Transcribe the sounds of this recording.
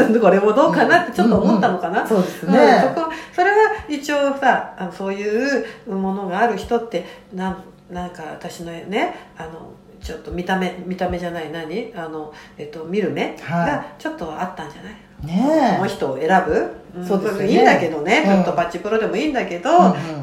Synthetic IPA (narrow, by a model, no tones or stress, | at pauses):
ko̞ɾe̞mod̪o̞ːkanat̪ːe̞t͡ɕot̪ːoːmo̞t̪ːano̞kanasod̪esnẽso̞ko̞so̞ɾe̞ɡait͡ɕio̞ːsaanoso̞ːjɯ̟ːɯmo̞no̞ɡaːɾɯ̟çi̥t̪o̞t̪ːe̞nãn | nãŋkaβa̰t̪aɕino̞ne̞ano̞̰ | t͡ɕo̞t̪ːo̞mʲit̪ame̞mʲit̪ame̞ʑanainaɲ̟iano̞e̞t̪ːo̞mʲiɾɯ̟me̞ɡat͡ɕo̞t̪ːo̞at̪ːãɲ̟d͡ʑanai | enoçi̥t̪o̞ːe̞ɾabɯ̟ɯ̃soːd̪ĩːnd̪ake̞d̪o̞ne̞t͡ɕot̪ːo̞pat͡ɕːipɯɾo̞d̪e̞mo̞iːnd̪ake̞d̪o̞